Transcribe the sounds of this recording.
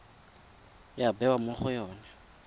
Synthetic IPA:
jabɛwamʊχʊjɔːnɛ

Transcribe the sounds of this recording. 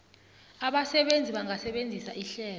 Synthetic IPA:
aɓasɛɓend͡zʱiɓaŋasɛɓend͡zʱisaʔiɬɛːl

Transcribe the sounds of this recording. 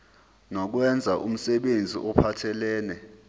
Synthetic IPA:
nɔk̬wɛnd͡zʱaʔum̩sɛɓend͡zʱḭʔɔpʰatʰɛlɛːnɛ

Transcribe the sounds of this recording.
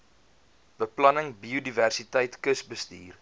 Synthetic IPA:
b̥əplɐnəŋbiudiværsitəjtkəsbəstiːr

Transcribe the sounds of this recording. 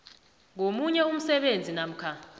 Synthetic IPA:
ŋomuɲɛum̩sɛɓend͡zʱinam̩kʰa

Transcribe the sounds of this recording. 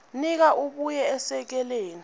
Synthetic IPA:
nik̬aʔuɓujɛɛsɛk̬ɛleːni

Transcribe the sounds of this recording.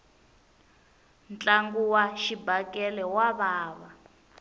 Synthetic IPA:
nt͡ɬʼaŋɡuwaʃibakʼɛlɛwaβaːβa

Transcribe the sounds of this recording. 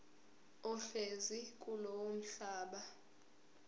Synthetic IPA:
ɔɬezikʼulowom̩ɬaːɓa

